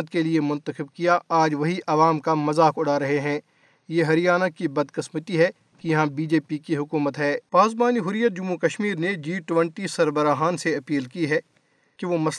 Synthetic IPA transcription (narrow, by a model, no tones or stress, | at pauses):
ət̪keliemʊ̃nt̪əxɪb̚kijaaːd͡ʒʋɐɦiʔɐʋaːmkamɐzaːkʊɽaɾɐɦeɦɛ̃ː | jeɦɐɾijaːnakibɐd̪kɪsmət̪iɦɛ | kijɐɦãbiːd͡ʒeːpikiɦʊkuːmət̪ɦɛːpaːzbaːniɦʊɾijːət̪̚d͡ʒʊmːukɐʃmiːɾned͡ʒiːʈʊʋə̃ɳʈisɐɾbəɾaːɦaːnseɐpiːlkiɦɛ | keʋomɐs